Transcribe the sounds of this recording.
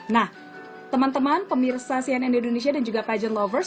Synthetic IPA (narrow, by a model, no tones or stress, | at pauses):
nah | t̪əmant̪əmanpəmirsasianɛnindones̬iadand͡ʒuɡapad͡ʒənlɔvərs